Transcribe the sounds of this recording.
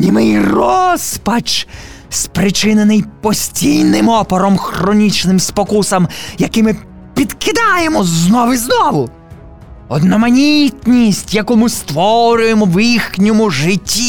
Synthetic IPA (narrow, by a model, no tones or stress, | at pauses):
nʲimɪjrɔspɐt͡ʃ | spɾɪt͡ʃɪnenɪjpɔsʲtʲijnɪmɔpɔɾɔmxrɔnʲit͡ʃnɪmspɔkusɐmjɐkɪmɪ | pʲid̪kɪd̪ɑjemɔznɔʋɪznɔʋʊ | ɔd̪nɔmɐnʲit̪nʲisʲtʲjɐkumʊst̪ʋɔɾʲʊjemɔwixnʲɔmʊʒɪtʲːi